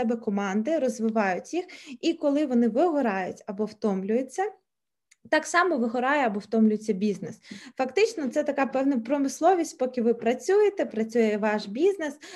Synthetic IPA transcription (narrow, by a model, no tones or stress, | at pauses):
ɛbɛkɔmɑnd̪ɪɾɔzʋɪʋɑjʊtʲjixikɔlˠɪʋɔnɪʋɪɦɔɾɑjʊtʲɐbɔwt̪ɔmlʲʊjet͡sʲːɐ | t̪ɑksɑmɔʋɪɦɔɾɑjɛɐbɔwt̪ɔmlʲʊjet͡sʲːɐbʲiznesfɐkt̪ɪt͡ʃnɔt̪sɛt̪ɐkɑpɛwnɐpɾɔmɪslˠɔʋʲisʲt̪ʲpɔkʲɪʋɪpɾɐt͡sʲujet̪ɛpɾɐt͡sʲujɛʋɑʃbʲiznes